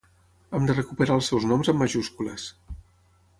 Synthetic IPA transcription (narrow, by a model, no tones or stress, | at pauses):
əmd̪ərəkupəɾaəlˠsɛwznɔmzəmːəʒuskuləs